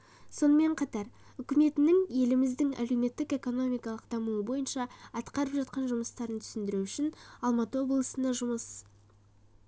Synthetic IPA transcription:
so̞nəme̞ɴqʰɑt̪ɑɾʏkʲɪme̞t̪ɪnɪŋje̞lɪmɪzd̪ɪŋæ̰le̞wme̞t̪ːɪke̞ko̞no̞mijkɑlˠəqd̪̥ɑmuəbo̞jənʃɑɑt̪qɑɾəpʒɑt̪̚qɑnʒʊməst̪ɑɾənt̪ʰʏ̥sɪnd̪ɪɾuʏʃɪnɑlˠmɑt̪əwo̞blˠəsənd̪ɑʒʊməs

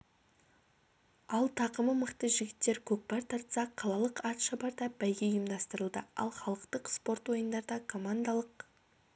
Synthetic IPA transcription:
ɑlˠt̪ʰɑqəməməqt̪əʒɪɡʲɪt̪ːe̞ɾkʲʰɵk̚pɑɾt̪ʰɑɾt̪sɑqʰɑlˠɑlˠəqɑt̪ʃɑbɑɾd̪ɑbæjɡʲe̞jəmd̪ɑst̪əɾəlˠd̪əɑ̰lˠχɑlˠəqt̪əqspo̞ɾt̪wo̞jənd̪ɑɾd̪ɑkʰo̞mand̪ɑlˠəq

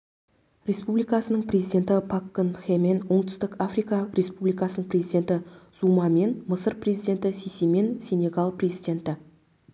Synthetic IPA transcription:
ɾʲe̞spublijkɑsənəɴprezijd̪ʲe̞nt̪ɪpʰakːənxemenwo̞ɴt̪ʏ̥st̪ɪkafrijkɑɾe̞spublijkɑsənəɴprʲe̞zijd̪ʲe̞nt̪ɪzumɑme̞nməsəɾpre̞zijd̪ʲe̞nt̪ɪseseme̞nsʲenʲe̞ɡalˠprezijd̪e̞nt̪ɪ

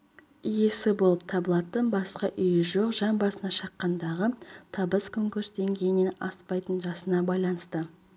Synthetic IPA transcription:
je̞sɪbo̞lˠəp̚t̪ʰɑbəlˠɑt̪ənbɑsqɑʔʏjɪʒo̞qʒɑmbɑsənɑʃɑqːɑnd̪ɑʁət̪ʰɑbəskʰɵŋkuɾsd̪e̞ŋɡʲejɪne̞nɑ̰spɑjt̪ənʒɑsənɑbɑjlˠɑnəst̪ə

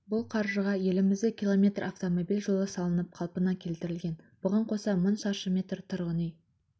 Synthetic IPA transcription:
bʊlˠqʰɑɾʒəʁɑje̞lɪmɪzd̪ɪkʲʰilˠo̞mʲe̞t̪rɑft̪o̞mo̞bilʲʒolˠəsɑlˠənəp̚qʰɑlˠpənɑkʲʰe̞lt̪ɪɾɪlɡʲe̞n | b̥ʊʁɑɴqʰo̞sɑmənʃɑʃəmʲe̞t̪rt̪ʰʊɾʁənij

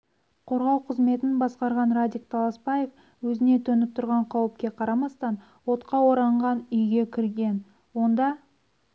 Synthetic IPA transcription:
qʰo̞ɾʁɑwqʰəzme̞t̪ɪnbɑsqɑɾʁɑnɾad̪ʲik̚t̪ʰɑlˠɑspɑjef | wɵzɪne̞t̪ʰɵnɪp̚t̪ʰʊɾʁɑɴqʰɑwɪp̚kʲe̞qʰɑɾɑmɑst̪ɑn | wo̞t̪qɑwo̞ɾɑɴʁɑnʏjɡʲe̞kʲʰɪɾɡʲe̞n | wo̞nd̪ɑ

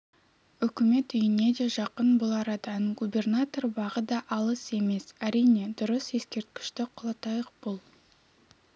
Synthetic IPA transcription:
ʏkʲɪme̞t̪ʏjɪne̞d̪e̞ʒɑqənbʊlˠɑɾɑd̪ɑnɡubʲe̞rnat̪o̞rbɑʁəd̪ɑʔɑlˠəse̞me̞sæɾijne̞d̪ʊɾəse̞skʲe̞ɾt̪̚kʲɪ̥ʃt̪ɪqʰʊlˠɑt̪ɑjəq̚b̥olˠ

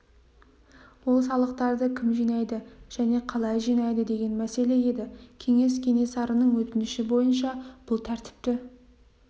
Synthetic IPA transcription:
wo̞lˠsɑlˠəq̚t̪ɑɾd̪əkʲʰɪmʒijnɑjd̪ɪʒ̥æne̞qʰɑlˠɑjʒinɑjd̪əd̪e̞ɡʲe̞nmæse̞le̞e̞d̪ɪkʲʰe̞ŋe̞skʲʰe̞ŋe̞sɑɾənəɴwɵt̪ɪnɪʃɪbo̞jənʃɑb̥ʊlˠt̪ʰæɾt̪ɪ̥p̚t̪ɪ

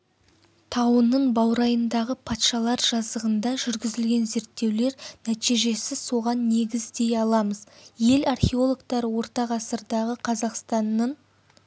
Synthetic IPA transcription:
t̪ʰɑwənːəɴbɑwɾɑjənd̪ɑʁəpʰɑt̪ʃɑlˠɑɾʒɑzd̪əʁənd̪ɑʒʏɾɡʲɪzɪlɡʲe̞nze̞ɾt̪ːe̞wle̞ɾnæt̪ijʒe̞sɪso̞ʁɑnːe̞ɡʲɪzd̪e̞jɑlˠɑməzje̞lɑrχʲe̞o̞lˠokt̪ɑɾəwo̞ɾt̪ɑʁɑsəɾd̪ɑʁəqʰɑzɑqst̪ɑnːəɴ

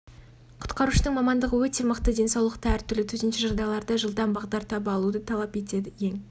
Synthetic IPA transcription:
qʰʊ̥t̪qɑɾuʃəd̪əɴŋmɑmɑnd̪əʁəwɵt̪e̞məqt̪əd̪e̞nsɑwlˠəqt̪əæɾt̪ʰʏɾlɪt̪ʰɵzɪnʃɪʒɑlˠd̪ɑjlˠɑɾd̪ɑʒəlˠd̪ɑmbɑʁd̪ɑɾt̪ʰɑbɑlˠud̪ət̪ʰɑlˠɑpe̞t̪e̞d̪ɪje̞ŋ

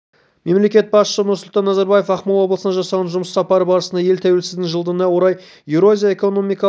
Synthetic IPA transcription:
me̞mle̞kʲe̞t̪̚bɑsʃənʊɾsʊlˠt̪ɑnːɑzɑɾbajefɑχmɑlˠwo̞blˠəsənɑʒɑsɑʁɑnʒʊməsɑpɑɾəbɑɾəsənd̪ɑje̞lt̪ʰæwelsɪzd̪ɪŋʒəlˠd̪ənɑwo̞ɾɑj | juɾoazʲijae̞ko̞no̞mijkɑ

